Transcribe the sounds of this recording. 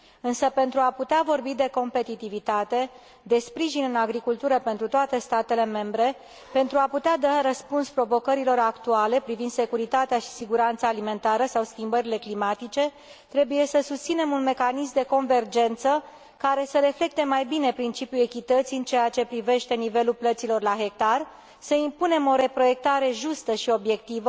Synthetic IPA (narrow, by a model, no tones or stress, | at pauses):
ɨnsəpe̞nt̪ɾuaput̪eavo̞rbid̪e̞ko̞mpe̞t̪it̪ivit̪at̪e̞ | d̪e̞spɾiʒinɨnaɡɾikult̪uɾəpe̞nt̪ɾut̪oat̪e̞st̪at̪e̞le̞me̞mbɾe̞ | pe̞nt̪ɾuaput̪ead̪aɾəspunspɾo̞vo̞kəɾilo̞ɾakt̪uale̞pɾivind̪se̞kuɾit̪at̪eaʃi̥siɡuɾant̪saːlime̞nt̪aɾəsawskʲimbəɾile̞klimat̪it͡ʃe̞ | t̪ɾe̞buje̞səsust̪sine̞munme̞kanismd̪e̞ko̞nve̞rd͡ʒe̞nt̪sə | kaɾe̞səɾe̞fle̞k̚t̪e̞majbine̞pɾint͡ʃipjue̞kʲit̪ət̪sijɨnt͡ʃeat͡ʃe̞pɾive̞ʃt̪e̞nive̞lulplət̪silo̞rlaɦe̞k̚t̪ar | səimpune̞mo̞ɾe̞pɾo̞je̞k̚t̪aɾe̞ʒust̪əʃio̞bje̞k̚t̪ivə